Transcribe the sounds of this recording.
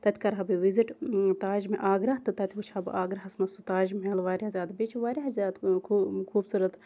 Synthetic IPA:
t̪ɐt̪ʰʲkɐɾɦɐbɨʋiziʈt̪aːd͡ʒmiʔaːɡɾɐɦt̪ɨt̪ɐt̪ʰʲiʋut͡ʃʰhɐbɨ̰ʔaːɡɾɐɦɐsmɐsut̪aːʒmelʋaːɾʲihɐzʲaːd̪bit͡ʃʰiʋaːɾʲiɦɐzʲaːt̪kʰːkʰuːbsuɾɐt̪

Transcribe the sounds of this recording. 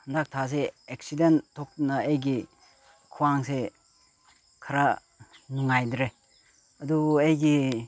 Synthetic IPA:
ndak̚tʰas̬eek̚sidentʰːɔk̚nɐejɡi | kʰuwaŋse | kʰaɾa | nuŋajdɾe | ɐduejɡi

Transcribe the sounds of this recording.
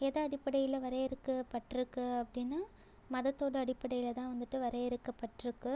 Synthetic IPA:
ɛðɐɐɽɪpːɐɽɐjɪlɐʋɐɾɐɪɾɯkːɐpːɐʈːɾɯkːɯɐpːɐɽɪnːɯ | mɐðɐt̪ːoːɽɐɐɽɪpːɐɽɐjɪlɐt̪ãːʋɐnd̪ɯʈːɯʋɐɾɐɪɾɯkːɐpːɐʈːɪɾɯkːɯ

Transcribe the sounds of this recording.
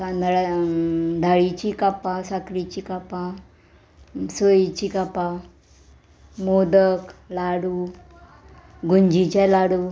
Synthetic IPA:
a | d̪ʱaɭit͡ɕikapãsakɾit͡ɕiːkapa | sojit͡ɕikapa | mod̪əklaɽuː | ɡuɲd͡ʑit͡ɕalaɽu

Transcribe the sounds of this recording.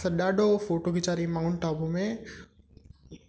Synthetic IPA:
ɐɗaːɖʱofoːʈoɡɪt͡ʃaːɾimãːʊnʈaːbomẽ

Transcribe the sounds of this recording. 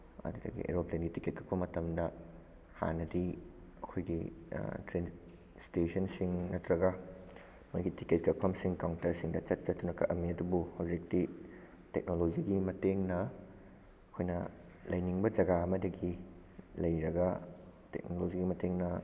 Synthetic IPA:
ɐ̰dudɐ̰ɡḭʔḛɾoplenɡitiket̚kʰɐk̚pɐmɐtɐmdɐ | ha̰nɐdi | ɐkʰojɡitɾen | stesɐnsiŋnɐtɾɐɡɐ | mojɡitiket̚kʰɐk̚pʰɐmsiŋkawntɐɾsiŋdɐt͡ʃɐt̚t͡ʃɐtʰːunɐkɐʔɐmːiɐdubuhɐwzik̚ti | tek̚nolod͡ʒiɡimɐteŋnɐ | ɐkʰojnɐ | lɐjniŋbɐd͡ʒɐɡaɐmɐdɐɡi | lɐjɾɐɡɐtḛk̚nolod͡ʒiɡimɐteŋnɐ

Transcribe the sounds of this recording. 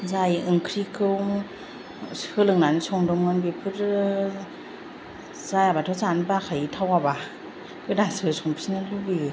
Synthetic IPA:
zajɯŋkʰɾikʰɯwŋ | hɯlɯŋnanisɔŋdɔmŋanbipʰɯɾ | zajabatʰɔwzanbakʰajitʰawaba | kɯdasɯsɔŋpʰi̥sinɯlɯbi

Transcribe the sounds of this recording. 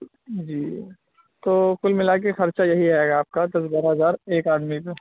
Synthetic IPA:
d͡ʒiː | t̪oːkʊlmɪlak̬exɐɾt͡ʃajɐɦiɦɛːɡaːp̚kad̪ɐs̬bɐɾɦɐzaːɾeːkaːd̪mite

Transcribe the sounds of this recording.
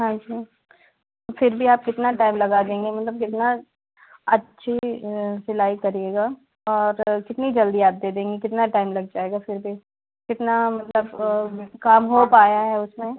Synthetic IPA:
ɦãːd͡ʒiː | fɪɾbʱiaːp̚kɪt̪naʈaːɪmlɐɡad̪ẽːŋɡemɐt̪ləb̚kɪt̪na | ɐtːʃʰisɪlaːikɐɾieːɡa | ɔːɾkɪt̪nid͡ʒɐld̪iaːp̚d̪eːd̪ẽːŋɡekɪt̪naʈaːɪmlɐɡ̚d͡ʒaːeːɡafɪɾbʱi | kɪt̪namɐt̪ləbkaːmɦopaːjaɦɛʊsmẽ

